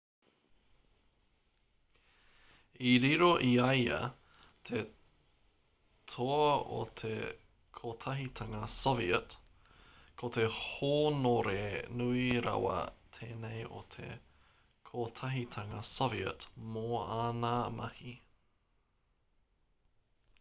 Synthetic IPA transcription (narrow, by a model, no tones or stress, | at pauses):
iɾiɾoʔiɐjɐ̰ | tʰe | tʰoɐo̰t̪ʰḛ | kʰot̪ʰɐɦit̪ʰɐŋɐsoviət | kʰot̪ehoːnoɾenuiɾɐ̰wɐ̰t̪ʰeːnejʔo̰t̪ʰḛ | kʰotʰɐɦit̪ʰɐŋɐsoviə̰tmoaːnamɐhi